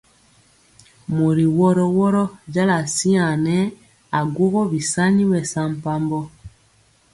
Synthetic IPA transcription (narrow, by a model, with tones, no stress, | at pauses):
mo˨ɾi˨wɔ˦ɾɔ˦wɔ˦ɾɔ˦ɟa˦la˨si˦a˨nɛ˦ | a˨ɡo˦ɣɔ˦bi˨sa˦ɲi˦wɛ˨sa˦m̩˨pa˦mbɔ˦